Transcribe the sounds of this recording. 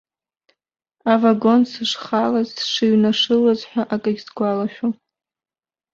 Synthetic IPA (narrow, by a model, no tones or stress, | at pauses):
avaɡo̞nsɨʂχalazʂɨɥnaʂɨlazħʷᶣaʔakʼɨɡʲzɡʷalaʃᶣo